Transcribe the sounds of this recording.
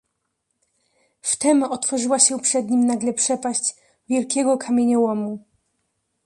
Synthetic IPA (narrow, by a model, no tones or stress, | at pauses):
ft̪ɛmɔt̪fɔʐɘwaɕɛpʂɛd̪ɲimnaɡlɛpʂɛpaɕt͡ɕ | vʲjɛlkʲɛɡɔkʰamʲjeɲawɔmu